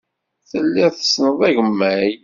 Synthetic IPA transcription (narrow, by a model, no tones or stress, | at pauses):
θəlːiθə̥snəðˤæʝəmːæj